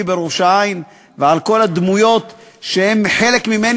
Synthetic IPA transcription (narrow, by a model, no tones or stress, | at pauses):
ibeɾoʃain | veʕalko̞lad̪mujo̞t̪ʃehe̞mħe̞lekmime̞n